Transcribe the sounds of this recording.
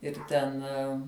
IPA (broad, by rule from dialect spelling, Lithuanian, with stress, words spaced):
ɪr ˈtʲɛn